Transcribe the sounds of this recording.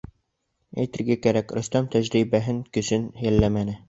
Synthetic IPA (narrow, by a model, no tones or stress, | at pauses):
æ̰jt̪ɘ̆ɾɡækæɾækɾɵ̆st̪æmt̪æʑɾibæɦɘŋkɵ̆sɘnjælːæmænɘ